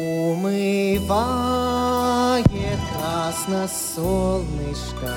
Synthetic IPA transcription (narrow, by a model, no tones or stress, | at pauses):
umɨba | ɡʲekɾasnɐsolˠnɨjʂka